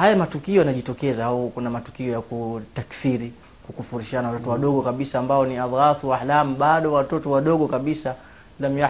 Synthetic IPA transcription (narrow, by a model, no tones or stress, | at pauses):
hajamatukiɔjanaʄitɔkɛzaaukunamatu̥kiɔjakutakfiɾi | kukufuɾiʃananawatɔtɔwaɗɔɠɔkaɓisaːmbaɔniaðɣaθuwahlamuɓaɗɔwatɔtɔwaɗɔɠɔkaɓisa | lama